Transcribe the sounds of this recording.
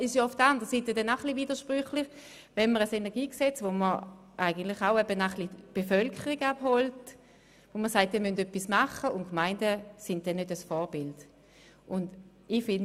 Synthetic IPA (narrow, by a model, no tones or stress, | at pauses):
ɪʃjoʊfd̥əʁandəʁəsiːtədɛnaʊχliviːd̥əʃpʁyχlɪχ | vɛnməʁəsenɛɐɡiːksɛt͡svoməʁʔaɪɡən̩tlɪχaʊɛbənaχlib̥efœlkʰəʁiɡaphɔlt | voməsaɪtːiːɐmøntœpːismaχəʊntkmaɪndəsɪnd̚d̥ɛnːødəsfɔːɐb̥ɪlt | ʔʊnd | ifɪnd